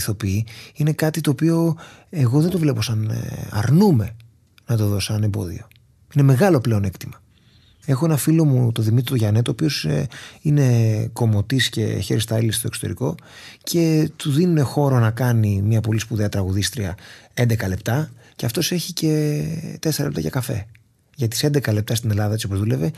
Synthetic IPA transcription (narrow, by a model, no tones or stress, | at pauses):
θo̞piiine̞kɐt̪it̪o̞ːpio̞ | eɣo̞ðe̞nd̪ovle̞po̞sɐnɐ̰ɾnume̞ | nɐt̪o̞ðo̞sɐne̞mbo̞ðḭo̞ | ine̞me̞ɣɐlo̞ple̞one̞kt̪imɐ | e̞xo̞enɐfilo̞mut̪o̞ðimit̪ɾit̪uʝɐnet̪oːpio̞sine̞ko̞mo̞t̪isce̞̰çe̞ɾist̪ɐɐlisi̥t̪o̞ksot̪e̞ɾiko̞ | cʰe̞t̪uðinune̞xo̞ɾo̞nɐkɐnimɲɐpo̞lispuðeɐt̪ɾɐɣuðist̪ɾiɐe̞nd̪e̞kɐle̞pt̪ɐceɐft̪o̞se̞çice̞t̪eseɾɐ̰lept̪ɐ̰ʝɐkɐfe̞̰ | ʝɐt̪ise̞nd̪e̞kɐle̞p̚t̪ɐst̪ine̞lɐðɐet͡ssiopo̞zðule̞ve